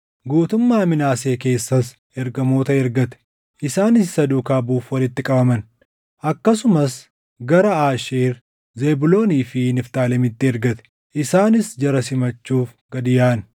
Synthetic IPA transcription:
ɡuːt̪ʊmːaːmɪnaːse̞ːke̞ːsːɐs | ɛɾɡɐmo̞ːt̪ɐɛɾɡɐt̪ɛ̥ | ʔɪsaːnɪsːɐd̪uːkaːbuːfwɐlɪt̪ːɪkʼɐbɐmɐn | ʔɐkːɐs̬ʊmɐs | ɡɐɾɐaːʃeːɾ | ze̞ːbʊlo̞ːniːfɪnɪft̪aːlɛmɪt̪ːɪɛɾɡɐt̪ɛ̥ | ʔɪsaːnɪsd͡ʒɐɾɐsɪmɐt͡ʃːuːf | ɡ̥ɐd̪ɪjaːn

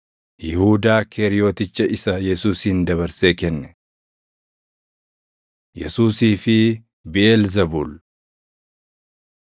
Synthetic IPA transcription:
jɪhuːd̪aːkʰeːɾɪjo̞ːt̪ɪt͡ʃːɐʔɪsɐjɛsuːsiːnd̪ɐβɐɾse̞ːkɛnːɛ | jɛsuːsiːfɪ | bɪʔɛlzɐbuːl

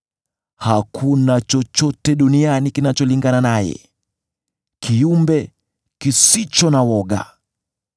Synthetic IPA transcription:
hakʰunat͡ʃɔt͡ʃɔtɛɗunianikinat͡ʃɔliŋɡananajɛ̰ | kʰiumbɛ | kisit͡ʃɔnawɔɠa̰

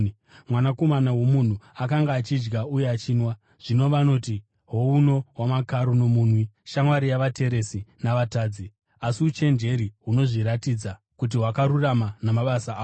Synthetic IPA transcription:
mwanako̞manawo̞mun̤uakaŋɡaːt͡ʃid͡ʒɡaujeat͡ʃiːnwa | ʐ̥ino̞ʋano̞ti | ɦouno̞wamakaɾono̞muːnwiʃaŋwaɾijaʋate̞ɾe̞sinaʋataːd͡zi | asiut͡ʃe̞nd͡ʒe̞ɾiɦuno̞ʐiɾatiːd͡za | kut̬iɦwakaɾuramanamaɓasaː

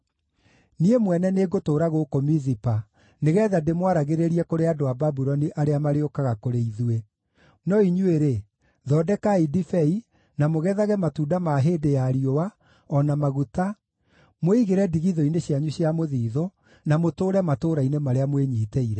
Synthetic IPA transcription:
niemwɛnɛneːɡotoːɾaɣokomizipa | neɣɛːðademwaɾaɣeɾeɾiɛkoɾeadoababuɾɔniʔaɾeamaɾeokaɣakoɾeiðue | nɔiɲueɾe | ðɔdɛkaidifɛi | namoɣɛðaɣɛmatuːdamaɦeːdejaɾiowa | ɔnamaɣuta | moiɣeɾɛdiɣiðɔineɕiaɲuɕjamoðiːðo | namotoːɾɛmatoːɾainemaɾeamweɲiːtɛiɾɛ

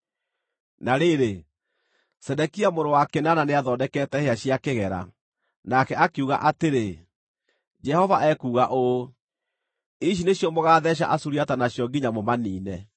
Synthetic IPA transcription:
naɾeɾe | sɛdɛkiamoɾowakenananeaðɔːdɛkɛtɛheaɕiakeɣɛɾa̰ | nakɛakeuɣa̰ʔateɾe | d͡ʒɛhɔvaʔɛkuːɣaʔo | iʃ̬ineɕjɔmoɣaːðɛɕ̬a̰ʔasuɾiatanaɕjɔɡiɲamomaniːnɛ

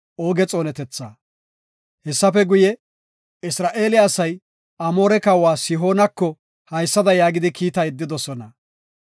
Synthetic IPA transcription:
ʔoːɡɛt͡sʼo̞ːnɛt̪ɛt͡sːaː | hɛsːɐfɛɡʊjɛ | ɪsɾaːʔe̞ːlɪːsɐj | ɐmo̞ːɾɛkɐwaːsɪɦo̞ːnɐkːɔ | hɐjsːɐd̪ɐjaːɡɪd̪ɪkiːt̪ɐjɪd̪ːɪd̪ɔsɔnɐ

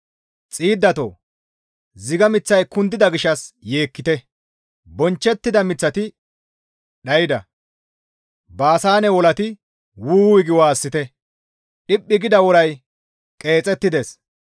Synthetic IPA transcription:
t͡sʼiːd̪ːɐt̪o̰ | zɪɡɐmɪt͡sːɐjkʊnd̪ːɪd̪ɐɡɪʃɐsje̞ːkːɪt̪ɛ | bɔnt͡ʃːɛt̪ːɪd̪ɐmɪt͡sːɐt̪ɪ | ɗɐjɪd̪ɐ | baːsaːnɛwɔlɐt̪ɪ | wuːwɪɡɪwaːsːɪt̪ɛ | ɗɪpʼːɪɡɪd̪ɐwɔɾɐj | kʼe̞ːt͡sʼɛt̪ːɪd̪es

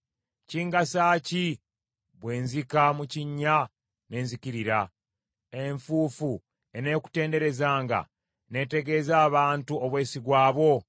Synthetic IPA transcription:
ciːŋɡasaːci | βwe̞ːnzikamuciɲːa | ne̞ːnzikiɾiɾa | e̞ɱfuːfu | e̞ne̞ːku̥te̞ːnde̞ɾe̞zaːŋɡa̰ | ne̞ːte̞ɡe̞ːzaːβaːntuoβwe̞ːsiɡwaːβo̞

